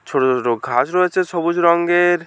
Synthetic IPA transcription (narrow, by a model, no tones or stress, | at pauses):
t͡ʃʰoʈot͡ʃʰoʈoɡʱasɾɔet͡ʃʰesɔbud͡ʒɾɔŋɡeɾ